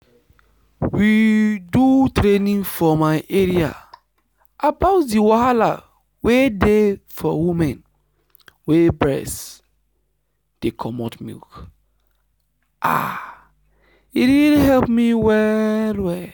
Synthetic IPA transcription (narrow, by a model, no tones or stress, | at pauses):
widutɾenĩnfɔmaɪʔeɹia̰ | ʔabaʊtdiwaala̰ | wedefɔwimɛ̃n | webɹɛ̰s | d̥ekʰɔmɔtmḭlk | ʔa̰ | iɾiliɦɛlpmiwɛlwɛl